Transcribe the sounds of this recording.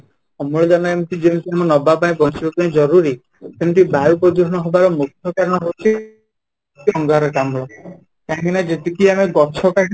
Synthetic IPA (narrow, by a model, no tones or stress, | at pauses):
amɔɭɔd͡ʒanaemt̪id͡ʒent̪iamɔnɔbap̬aĩpɔnsibapaĩd͡ʒɔɾuɾi | sent̪ibaupɔd͡ʒuɾnɔɦɔbaɾɔmukʰɔkaɾɔɽ̃ɔɦewt͡ʃʰi | iɔŋɡaɾekamɔɭɔ | k̪ãkinad͡ʒet̪ikiameɡɔt͡ʃʰɔka